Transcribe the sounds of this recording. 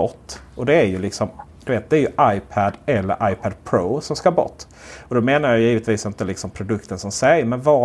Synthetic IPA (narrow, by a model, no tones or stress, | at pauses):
ɔt̪ːɔd̪ɛæɾjɵlɪksɔmd̪̥ɵveːt̪̚d̪ɛæɾjɵʔajpʰæd̪ɛlːə̰ɾʔajpʰad̪pʰɾoːsɔmskɑbɔ̰t̪ː | ɔd̪ɔmeːnaɾjajjiːvət̪viːsɪnt̪əlɪksɔmpʰɾʊd̪ɵkt̪ənsɔmsɛjmɛnvɑ